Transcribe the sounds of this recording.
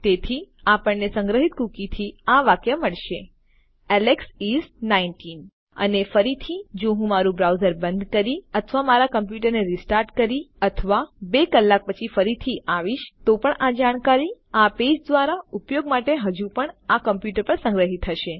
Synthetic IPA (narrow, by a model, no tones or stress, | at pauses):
t̪et̪ʰiapəɳnesəŋɡɾəɦit̪kukit̪ʰiaʋakjəməɭʃe | ɛleksiznainʈin | ə̰nefəɾit̪ʰid͡ʒoɦũmaɾũbɾawzəɾbənd̪kəɾiət̪ʰəʋamaɾakəmp̬juʈ̬əɾneɾisʈaɾʈkəɾiət̪ʰəʋabekəlːak̚pət͡ʃʰifəɾit̪ʰiʔaʋiʃt̪opəɳad͡ʒaɽ̃kaɾiaped͡ʒd̪ʋaɾaupjoɡmaʈeɦəd͡ʒupəɳakəmpjuʈəɾpəɾsə̃ŋɡɾəɦit̪ʰɦəʃe